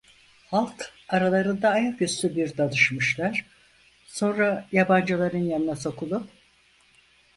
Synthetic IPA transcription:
halˠkaɾalˠaɾɯnd̪aːjakjyst̪ybiɾd̪ad̪ɯʃmɯʃlˠaɾ̥ | so̞nɾajaband͡ʒalˠaɾɯnjaninɛso̞kʰulˠup̚

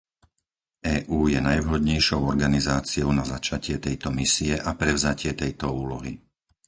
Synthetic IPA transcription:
ʔɛːʔuːjɛnajʋɦɔd̪ɲɛjʃɔʊɔɾɡanizaːt͡siɔʊnazat͡ʃacɪɛt̪ɛjt̪ɔmisiɛʔapɾɛʊzacɪɛt̪ɛjt̪ɔuːlɔɦi

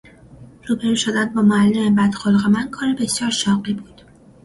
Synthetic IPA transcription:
ɾubeɾuʃod̪ænd̪̚bɒːmoælːemebæd̪xolɣemæn̚kʰɒːɾebe̞sjɒːɾʃɒːɢibuːd̪̥

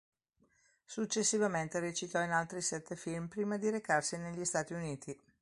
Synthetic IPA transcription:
sut͡ʃːesːivament̪eɾet͡ʃit̪ɔinalt̪ɾisɛt̪ːefilmpɾiːmad̪iɾekarsineʎːist̪aːt̪iuniːt̪ʰi

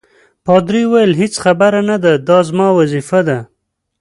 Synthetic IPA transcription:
pɑd̪ɾiwajəlɦet͡sxabaɾanad̪ad̪ɑzmɑwazifad̪a

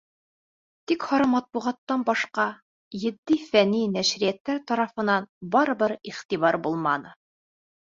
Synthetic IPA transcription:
t̪ikhɑɾɤmɑt̪̚buʁɑt̪ːɑnbɑʃqɑ | jɘ̆d̪ːifæninæʃɾijæt̪ːæɾt̪ɑɾɑfɤ̆nɑnbɑɾɤ̆bɤɾiχt̪iβɑɾbulˠmɑnɤ

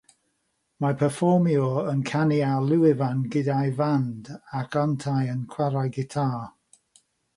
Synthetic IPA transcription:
mapʰəfɔmiɔənkʰanialˠuwɪvanɡɪdajvandakʰɔntʰajənkʰw̥aɾajɡɪtʰaː

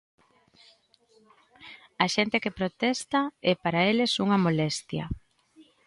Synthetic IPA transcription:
ɐʃent̪ekepɾot̪ɛst̪ɐɛpaɾaelɪsuŋɐmolɛst̪jɐ̰

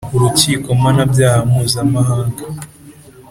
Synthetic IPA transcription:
uɾut͡ʃikɔmanabjahamuzamaɦaŋɡa

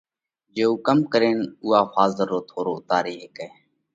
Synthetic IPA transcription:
d͡ʒeːuːkəmkəɾeːnuːaːfaːzəɾːoːt̪ʰoːɾoːʊt̪aːɾeːɦeːkeː

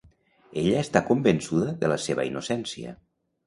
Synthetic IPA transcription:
eʎəːst̪akumbənsuðəðələseβə̰inusɛnsiə̰

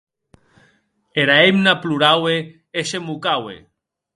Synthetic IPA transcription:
eɾaemnapluɾawe | eʃemukawḛ

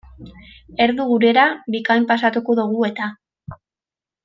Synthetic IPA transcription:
e̞ɾðuɣuɾe̞ɾabikajmpasat̪uko̞ðuɣ̞ue̞t̪a

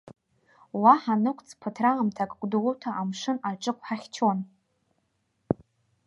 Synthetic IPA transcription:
waħanɨkʷʰʼt͡sʰʼpʰɨtʰraamtʰakʼkʷʼdulutʰaʔamʂɨnaʈ͡ʂʼɨkʷʰʼħaχʲt͡ʃʰon

